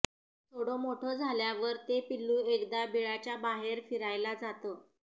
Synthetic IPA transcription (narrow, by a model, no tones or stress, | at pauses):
t̪ʰoɽomoʈʰəd͡zʱaljaʋəɾt̪epilːuekd̪abiɭat͡ɕjabaɦeɾfiɾajlad͡zat̪ə